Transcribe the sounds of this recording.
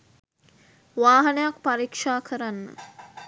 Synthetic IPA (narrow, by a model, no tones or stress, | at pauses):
ʋaːɦɐnəjakpaɾikʂaːkʰəɾanːə̰